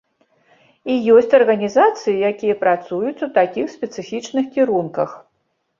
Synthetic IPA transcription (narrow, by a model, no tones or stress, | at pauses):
ijɔsʲt͡sʲɐrɣɐnʲizat̪sɨjijakʲijɐpɾat̪sujut͡sʲut̪akʲixsʲpʲɛt̪sɨfʲit͡ʂnɨxkʲiɾunkɐx